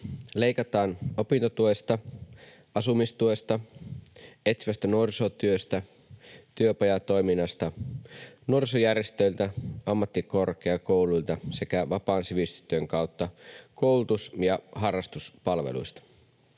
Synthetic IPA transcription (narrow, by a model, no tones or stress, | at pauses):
le̞jkɑt̪ɑːnopint̪ot̪uest̪ɑ | ɑsumist̪uest̪ɑ | et̪siʋæst̪ænuorisot̪yøst̪æ | t̪yøpɑjɑt̪o̞jminːɑst̪ɑ | nuorisojærjest̪øilt̪æʔɑmːɑt̪ːiko̞rk̟eɑkouluilt̪ɑse̞kæʋɑpɑːnsiʋist̪y̥t̪ːˑøŋkɑut̪ːɑkowlut̪usjɑɦɑrːɑst̪uspɑlʋḛlṵist̪ɑ̥